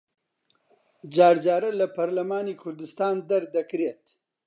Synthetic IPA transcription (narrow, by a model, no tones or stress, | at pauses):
d͡ʒɑːɾd͡ʒɑːɾalapaɾlamɑːnikʰʊɾd̪ɪst̪ɑːnd̪aɾd̪akɾet̪